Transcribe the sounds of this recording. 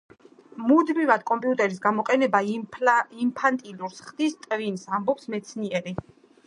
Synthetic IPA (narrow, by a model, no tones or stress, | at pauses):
mud̪mivad̪̚kʼɔmpʼiut̪ʼɛɾis̬ɡamɔqʼɛnɛba | impʰant̪ʼiluɾsχd̪̥ist̪ʼvinsambɔpsmɛt̪sʰniɛɾi